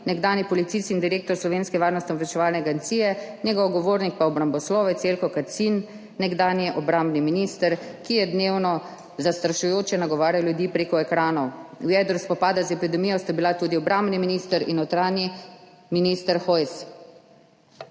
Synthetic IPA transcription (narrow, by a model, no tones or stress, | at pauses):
nɛɡd̪aːnjipɔlit̪sist̪ind̪iɾeːk̚t̪ɔɾslɔʋeːnskɛʋaːɾnɔst̪ʲiɔʋɛt͡ʃɛʋaːlnɛaɡɛnt̪sijɛnʲɛɡɔwɡɔʋoɾnik̚paɔbɾambɔslɔːʋɛt̪selkɔkat̪sinː | ɛɡd̪aːnjɛʔɔbɾambniminist̪əɾkijɛd̪neːwnɔ | zast̪ɾaʃujoːt͡ʃjɛnaɡɔʋaːɾjaljud̪iːpɾeːkɔɛkɾaːnɔwwjɛd̪ɾuspɔpaːd̪azɛpid̪ɛmijɔst̪abilat̪ud̪iɔbɾʔambniminist̪əɾḭnɔwt̪ɾaːni | minist̪əɾxɔjs